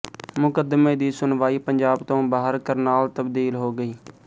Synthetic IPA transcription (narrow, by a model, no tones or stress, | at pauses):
mʊkəd̪mẽːd̪iːsʊnʋaːiːpəɲd͡ʒaːbt̪õːbaːɦəɾkəɾnaːlt̪əbd̪iːlɦoːɡəiː